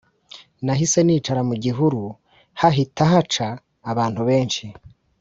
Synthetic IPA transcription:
naɦise̞niːt͡ʃaɾamuɟiɦuɾu | haɦitaɦat͡ʃaː | βaːnthuβe̞ːnʃi

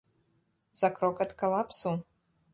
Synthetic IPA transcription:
z̥akɾokat̪kalˠapsu

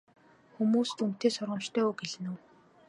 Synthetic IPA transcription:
xumuːst̪ʰum̥t̪eːsʊrʁə̆m̥t͡ɕt̪ʰœːuːɡeɮɘ̆nŭw

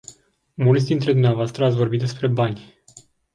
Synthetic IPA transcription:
mult̪sʲd̪int̪ɾe̞d̪umneavoast̪ɾəat̪sʲvo̞rbit̪̚d̪e̞spɾe̞banʲ

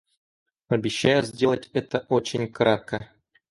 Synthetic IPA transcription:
ɐbʲiɕːajəzʲdʲelˠətʲɛt̪əʔot͡ɕɪnʲkrat̪̚kə

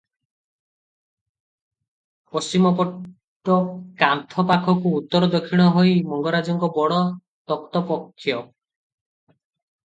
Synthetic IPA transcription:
pɔst͡ʃimɔpɔ | ʈːɔkant̪ʰɔpakʰɔkuːt̪ːɔɾɔd̪ɔkʰːiɽ̃ɔɦojmɔŋɡɔɾad͡ʒɔŋkɔbɔɽɔ | t̪ɔkt̪ɔpɔkʰːjɔ

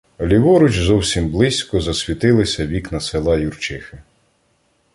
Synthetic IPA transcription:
ɔlʲiʋɔɾʊt͡ʃzɔwsʲimblˠɪsʲkɔzɐsʲʋʲit̪ɪlˠɪsʲɐʋʲiknɐselˠɑjurt͡ʃɪxɪ

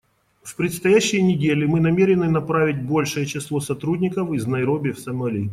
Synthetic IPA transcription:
fpɾʲɪt̪st̪ɐjæɕːɪjnʲɪdʲelʲɪmɨnɐmʲeɾʲɪnɨnɐpɾavʲɪt̚ʲbo̞lʲʂɨjət͡ɕɪslˠo̞sɐt̪ɾudʲnʲɪkəfiznɐjɾobʲɪfsɐmɐlʲij

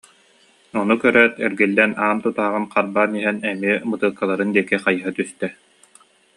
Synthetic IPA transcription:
ɔnukœɾœːt̪ɛɾɡilːɛnaːmt̪ut̪aːʁɯnqaɾbaːniɦɛnɛmiɛmɯt̪ɯːkːalˠaɾɯnd̪iɛkiχajɯɦat̪yst̪ɛ

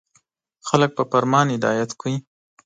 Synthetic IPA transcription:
xalək̚pəpaɾmɑnɪd̪ɑ̰jat̪kʰəi

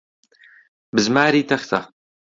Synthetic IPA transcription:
bɨzmaːɾiːtʰɐxt̪ʰɐ

